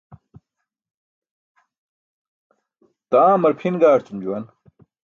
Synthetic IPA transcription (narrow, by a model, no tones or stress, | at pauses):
t̪aːmɐɾpʰinɡaːɾt͡sumd͡ʑuwɐn